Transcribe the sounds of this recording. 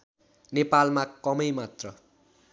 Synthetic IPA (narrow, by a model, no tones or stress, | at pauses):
nepalmakʌmʌjmat̪rʌ